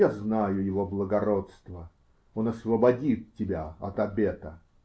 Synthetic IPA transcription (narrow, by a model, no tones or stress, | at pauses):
aznajʊjɪvo̞blˠəɡɐɾo̞t̪st̪və | onɐsvəbɐdʲit̪̚tʲɪbʲaɐt̪ɐbʲet̪ə